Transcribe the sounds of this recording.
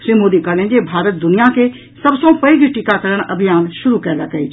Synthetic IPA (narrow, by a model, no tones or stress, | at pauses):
ʃɾiːmoːd̪ikəɾnẽd͡ʒebʱaːɾət̪̚d̪ʊnɪjake | sɐbsõpɐiɡiʈikakɐɾəɽ̃ɐbʱɪjaːnʃʊɾukɛlakəi